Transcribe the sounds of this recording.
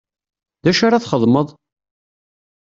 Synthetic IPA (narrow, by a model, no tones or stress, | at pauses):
ðæʃaɾaθχəðˤməðˤ